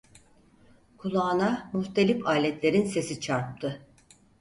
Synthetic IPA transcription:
kʰulˠaːnamuht̪ʰe̞lʲipaːlʲɛt̪lʲe̞ɾinsesit͡ʃʰaɾp̚t̪ʰɯ

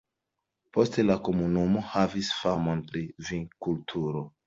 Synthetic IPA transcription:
po̞ste̞lako̞munumo̞havisfamonpɾiviŋkultʰuɾo̞

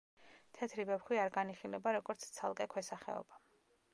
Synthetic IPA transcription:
t̪ʰɛt̪ʰɾivɛpχwiaɾɡaniχilɛbaɾɔɡɔɾt̪sʰt̪sʰa̰lˠkʼɛkʰwɛsaχɛ̰ɔ̰ba

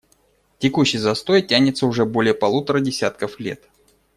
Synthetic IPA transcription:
tʲɪkuɕːɪjzɐst̪o̞jtʲːænʲɪt̪səʊʐɛəbo̞lʲɪjəpɐlˠut̪əɾədʲɪsʲat̪̚kəflʲḛt̪

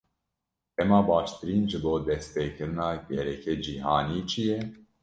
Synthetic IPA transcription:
ʔɛmɑːbɑːʃt̪ɨɾiːnʒɨboːd̪ɛs̚peːkɨɾɨnɑːɡɛɾɛkeːd͡ʒiːɦɑːniːt͡ʃʰijɛ

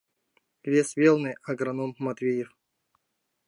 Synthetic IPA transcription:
vʲesʲvʲelˠnɨɐɡɾanomːɐt̪vʲejɪf

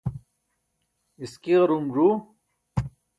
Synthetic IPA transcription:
iskiʁɐɾumʐu

